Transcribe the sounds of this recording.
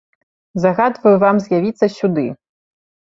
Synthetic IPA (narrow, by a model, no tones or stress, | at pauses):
zaɣad̪vɐjuvamzʲjavʲit̪sːɐsʲud̪ɨ